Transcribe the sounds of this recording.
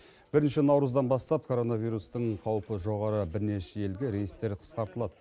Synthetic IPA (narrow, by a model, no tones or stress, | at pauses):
b̥ɪɾɪnʃɪnɑwɾəzd̪ɑnbɑst̪ɑp̚kʰo̞ɾo̞navijɾust̪əɴqʰɑwpəʒo̞ʁɑɾəbɪɾne̞ʃeje̞lɡʲeɾejəst̪e̞ɾqʰə̥sqɑɾt̪əlˠɑd̪ə